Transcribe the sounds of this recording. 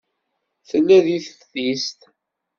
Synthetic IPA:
θəlːæðiθfθist̪

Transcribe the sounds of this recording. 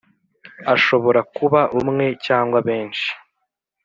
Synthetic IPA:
aʃo̞βo̞ɾakuβaʔumŋe̞caːŋɡwaβe̞ːnʃi̥

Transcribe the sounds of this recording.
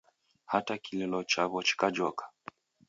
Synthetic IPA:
hatakililɔt͡ʃaβɔt͡ʃi̥kad͡ʒɔkḁ

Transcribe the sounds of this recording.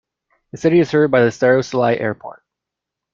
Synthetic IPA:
ðɨsɪɾiɨz̥hɜ˞d̚baɪðɨstɛɹoʊsəlaɪʔɛ̰ɹpʰɔ̰ɹt̚

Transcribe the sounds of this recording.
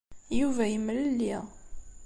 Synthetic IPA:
juvæjəmːləlːiʁ

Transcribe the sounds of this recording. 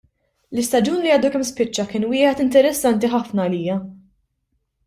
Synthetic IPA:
lɪst̪ɐd͡ʒuːnliɐːd̪ukɛmspɪt͡ʃːɐkɪːnwɪːħɛt̪ɪnt̪ɛɾɛsːɐnt̪iħɐfnɐːliːjɐ

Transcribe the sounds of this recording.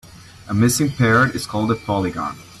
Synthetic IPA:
ʔəmɪsɪ̃ŋpʰɛɹəɾɨz̥kʰɔlˠdəpʰɑlˠiɡɑ̰̃n

